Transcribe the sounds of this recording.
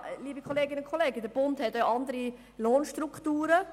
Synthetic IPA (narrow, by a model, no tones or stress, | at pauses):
liːbikʰoleːɡɪnəʊnkʰɔleːɡəd̪əɾb̥ʊnthɛtøʔɑnd̪əɾi | loːnʃtrukʰtuːɾə